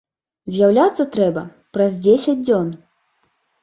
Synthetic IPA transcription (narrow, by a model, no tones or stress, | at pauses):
zʲjawlʲat̪sːɐt̪ɾɛbɐ | pɾɐzʲd͡zʲesʲɐd͡zʲd͡zʲɔn